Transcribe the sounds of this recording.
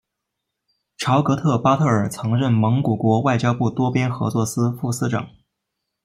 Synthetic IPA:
ʈ͡ʂʰɑ˧˥ʊkɤ˧˥t̪ʰɤ˥˩pa˥t̪ʰɤ˥˩ə˞˨˩t͡sʰɤ˧˥ŋɻə˥˩nmɤ˧˥ŋku˨˩kwɔ˧˥wa˥˩ɪt͡ɕjɑ˥ʊpu˥˩t̪wɔ˥pjɛ˥nxɤ̰˧˥t͡swɔ˥˩sɹ̩˥fu˥˩sɹ̩˥ʈ͡ʂɑ̰˨˩˦ŋ

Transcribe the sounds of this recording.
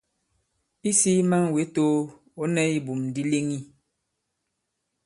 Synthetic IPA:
i˦si˦ma˦ŋwe˨˦to˦ | o˦nɛ˦i˦bu˨mdi˦le˦ŋi˦

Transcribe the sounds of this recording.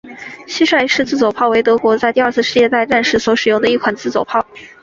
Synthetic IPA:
ɕi˥ʂwa˥˩ɪʂɻ̩˥˧t͡sɹ̩˥˩t͡swo˨˩ʊpʰɑ˥˩ʊwe˧˥ɪt̪ɤ˧˥kwɔ˧˥t͡sa˥˧ɪt̪i˥˧ɐ˥˧t͡sʰɹ̩˥˧ʂɻ̩˥˧jɛ˥˧t̪a˥˧ɪʈ͡ʂa˥˧nʂɻ̩˥˩swɔ˧˥ʂɻ̩˨˩jʊ˥˩ŋd̪ə˩i˥˩kʰwa˨˩nt͡sɹ̩˥˩t͡swo˨˩pʰɑ˥˩ʊ

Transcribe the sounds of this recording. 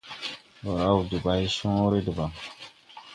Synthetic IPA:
wɔ˨ɾa˦u˨di˨ba˨i˦sɔ̃˦ɾe˦di˨ba˨

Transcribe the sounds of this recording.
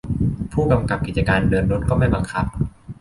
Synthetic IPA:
pʰuː˥˩ka˧mka˨˩p̚ki˨˩t̪̚t͡ɕa˧kaː˧ndɤː˧nɾo˦˥t̪̚kɔː˥˩ma˥˩jba˧ŋkʰa˦˥p̚

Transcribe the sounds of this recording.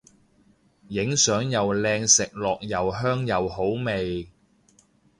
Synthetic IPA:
jɪ˨˥ŋsœː˨˥ŋjɐ˨wlɛː˧ŋsɪ˨k̚lɔː˨k̚jɐ˨˩wɦœː˥ŋjɐ˨wɦo˨˥wme˨j

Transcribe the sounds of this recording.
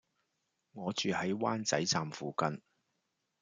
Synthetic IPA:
ŋɔː˨˧t͡ʃyː˨hɐ˨˥jwaː˥nt͡sɐ˨˥jt͡saː˨mfuː˨kɐ˨n

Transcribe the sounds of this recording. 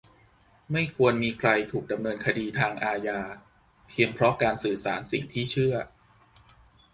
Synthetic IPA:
ma˥˩jkʰu˧ənmiː˧kʰɾa˧jt̪ʰuː˨˩k̚da˧mnɤː˧nkʰa˧diː˧t̪ʰaː˧ŋʔaː˧jaː˧ | pʰi˧əŋpʰɾɔ˦˥kaː˧nsɯː˨˩saː˩˦nsḭ˨˩ŋt̪ʰiː˥˩t͡ɕʰɯ˥˩ɐ

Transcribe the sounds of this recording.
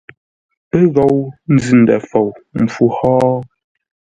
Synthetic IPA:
pɛ˦ɣɔ˨wn̩˦zʉ˨n̩˨dɛ̰˨fɔ˨wm̩˨b͡vu˦hɔː˦

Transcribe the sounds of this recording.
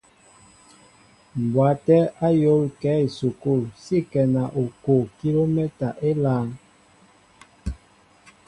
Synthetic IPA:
m˨bwa˨˦tɛ˦a˦jo˦lkɛ˨˦i˨su˨ku˦˨lsi˦˨kɛ˨na˨ʔo˨ko˨ki˦lo˦me˦ta˨ʔe˦laː˦ŋ

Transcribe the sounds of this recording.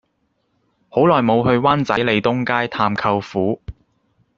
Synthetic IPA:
ho˨˥wlɔː˨jmo˨˧wɦɵ˧ɥwaː˥nt͡sɐ˨˥jle˨˧jt̪ʊ˥ŋkaː˥jt̪ʰaː˧mkʰɐ˧wfuː˨˥

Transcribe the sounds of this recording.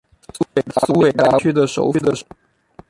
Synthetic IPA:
swe˨˩su˥we˨˩ɪt̪a˧˥t͡ɕʰy˥˩d̪ə˨ʂo̰˧˥ʊy˥d̪ə˨

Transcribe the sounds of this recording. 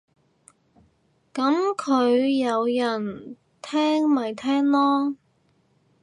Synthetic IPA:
kɐ˨˥mkʰɵ˨˧ɥjɐ˨˧wjɐ˨˩n | t̪ʰɛː˥ŋmɐ˨˩jt̪ʰɛː˥ŋlɔː˥

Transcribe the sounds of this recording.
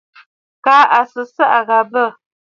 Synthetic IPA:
kaː˨˦a˨sə˨sə˦ʔa˨ɣa˨bə˦˨

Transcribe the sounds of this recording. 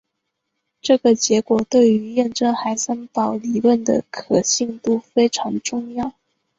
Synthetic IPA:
ʈ͡ʂɤ˥˩ɡə˩t͡ɕjɛ˧˥kwɔ˨˩t̪we˥˩ɪy˧˥jɛ˥˩nʈ͡ʂɤ˥ŋxa˧˥ɪsə˥ŋp̪ɑ˨˩ʊli˨˩lwə˥˩nd̪ə̰˨˩kʰɤ˨˩ɕi˥˧ŋt̪u˥˧fe˥ɪʈ͡ʂʰɑ˧˥ŋʈ͡ʂʊ˥˧ŋjɑ˥˩ʊ

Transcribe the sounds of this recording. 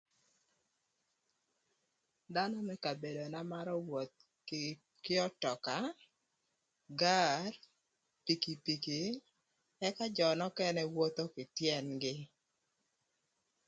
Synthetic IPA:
da˦nɔ˦mɛ˦ka˨be˨do˨na˦ma˦ɾɔ˦wo˨t̪̚ | kɪ˦ɔ˦tɔ˨ka˨˦ | ɡa˦r | pi˨ki˨pi˨ki˨ | ɛ˦ka˦d͡ʒɔ˨nɔ˦kɛ˦nɛ˦wo˦t̪o˦kɪ˨tjɛ˦nɡɪ˦

